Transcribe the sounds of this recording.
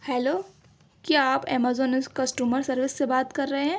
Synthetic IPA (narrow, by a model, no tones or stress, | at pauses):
hɛːloː | kjaaːpɛ̰ːmaːzɔːnɪskɐsʈjuːməɾsɐɾʋɪsːebaːt̪kɐɾːɐɦeɦɛ̃ː